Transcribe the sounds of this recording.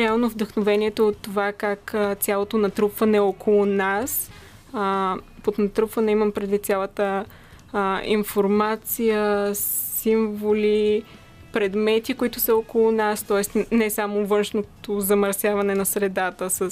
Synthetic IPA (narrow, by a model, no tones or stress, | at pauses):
ɾɛalˠnovd̪əxnovɛniɛt̪oːt̪ːovakakət̪sʲalˠot̪onɐt̪ɾupvɐnɛɔkʰolˠʊnas | pot̪nɐt̪ɾupvɐnɛimɐmpɾɛd̪vit̪t̪sʲalˠət̪ə | ḭnfoɾmat̪sijəsiɱvoli | pɾɛd̪mɛt̪ikoit̪ʊsəokolˠʊnast̪ɔɛsnɛsamovɤnʃnot̪ozɐmɐɾsjavɐnɛnɐsɾɛd̪at̪əsəs